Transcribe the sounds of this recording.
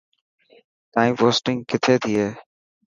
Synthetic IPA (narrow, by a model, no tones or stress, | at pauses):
t̪aːĩːpoːsʈɪ̃ŋɡkɪt̪ʰeːt̪ʰiːɦeː